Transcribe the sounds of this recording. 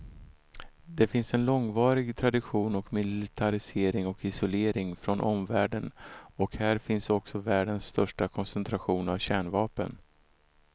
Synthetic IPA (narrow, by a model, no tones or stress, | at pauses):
d̪ɛfɪnsɛnlɔŋːvɑːɾɪɡt̪ʰɾad̪ɪɧuːnɔkmɪlɪt̪ʰaɾɪseːɾɪŋɔkɪsɔleːɾɪŋfɾɔnʔɔmvæːɖənɔkhæːɾfɪnsɔksɔvæːɖənsːt̪ʰœʂʈakʰɔnsɛnt̪ʰɾaɧuːnavɕæːɳvɑːpə̰n